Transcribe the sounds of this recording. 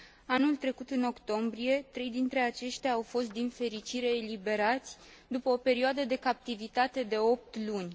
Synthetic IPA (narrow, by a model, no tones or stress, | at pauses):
anult̪ɾe̞kut̪ɨno̞kt̪o̞mbɾije̞t̪ɾe̞jd̪int̪ɾe̞at͡ʃe̞ʃt̪ʲjaːwfo̞st̪̚d̪infe̞ɾit͡ʃiɾe̞ːlibe̞ɾat̪sʲ | d̪upəope̞ɾioad̪əd̪e̞kap̚t̪ivit̪at̪e̞d̪e̞o̞p̚t̪lunʲ